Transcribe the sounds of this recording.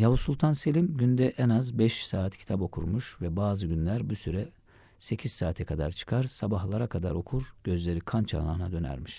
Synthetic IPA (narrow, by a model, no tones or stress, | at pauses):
javusulˠt̪ʰanse̞lʲimɟynd̪ɛʔɛnazbɛʃsaːt̪cʰi̥t̪ʰabo̞kʰuɾmuʃvɛbaːzɯɟynlʲæɾbusyɾɛ | se̞cʰiz̥saːt̪ʰɛkʰad̪a̰ɾt͡ʃʰɯ̥kʰaɾsabaɦlˠaɾakʰad̪a̰ɾo̞kʰuɾɟ̥ø̞zlʲe̞ɾikʰant͡ʃʰa̰ːna̰ːnad̪ø̞næ̰ɾmiʃ